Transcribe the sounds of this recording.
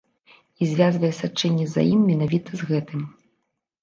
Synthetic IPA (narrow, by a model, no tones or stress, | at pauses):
izʲvʲazvɐjɛsat͡ʂɛnʲːɛza̰jimːʲɛnavʲit̪ɐzɣɛt̪ɨm